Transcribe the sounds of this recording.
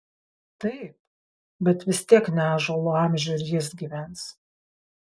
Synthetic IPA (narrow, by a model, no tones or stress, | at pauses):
t̪ɐɪp̚ | bʲɛt̪ʋʲɪst̪ʲiɛknʲæːʒoːlˠoɑːˑmʲʒʲɛɪɾʲjɪsɡʲiʋʲɛns